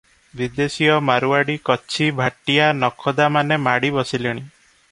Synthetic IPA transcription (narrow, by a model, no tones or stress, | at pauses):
bid̪esijɔmaɾuaɽikɔt͡ʃʰibʱaʈijanɔkʰɔd̪amanemaɽibɔsiliɽ̃i